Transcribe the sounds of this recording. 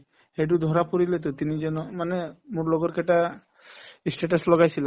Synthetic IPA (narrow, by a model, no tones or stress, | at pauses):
heʈud̪ʱɔɾapɔɾilet̪̬ut̪inid͡ʒɛnɔmanemuɾlɔɡɔɾkeʈa | isʈeʈ̬ɔslɔɡajsʰila